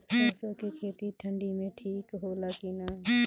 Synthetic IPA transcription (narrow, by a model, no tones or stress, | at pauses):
asokʰekʰeːt̪iʈʰə̃ɳɖimẽʈʰiːkɦoːlakiːnaː